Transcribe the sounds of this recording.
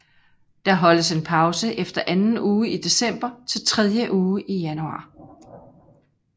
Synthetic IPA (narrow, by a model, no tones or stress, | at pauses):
d̥ɑ̈ɦɒ̽ləse̝npʰɑ̈ʊsəʔefd̥ɐʔænn̩uːid̥e̝sem̰b̥ɐt͡sʰe̝lt͡sʰʁɛðˠjəʔuːʔijænuɑ̰̈ː